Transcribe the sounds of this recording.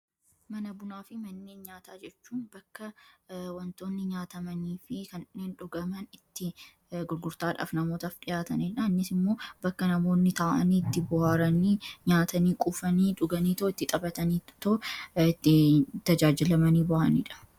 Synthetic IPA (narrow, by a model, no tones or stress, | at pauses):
mɐnɐbʊnaːfɪmɐnːeːnɲaːt̪aːd͡ʒɛt͡ʃːuːnbɐkːɐwɐnt̪o̞ːnːɪɲaːt̪ɐmɐniːfɪkɐnɪnːeːnᶑʊɡɐmɐnɪt̪ːɪ | ɡʊɾɡʊɾt̪aːᶑa̰ːfnɐmoːt̪ɐfᶑɪjaːt̪ɐniːᶑɐɐnːɪsɪmːo̞ːbɐkːɐnɐmo̞ːnːɪt̪aːʔɐ̰niːɪt̪ːɪbʊhaːɾɐniːɲaːt̪ɐniːkʼuːfɐniːᶑʊɡɐniːt̪oːɪt̪ːɪt̪ʼɐbɐt̪ɐniːt̪ot̪ːɪt̪ɐd͡ʒaːd͡ʒɪlɐmɐniːbɐʔɐnḭːᶑɐ̥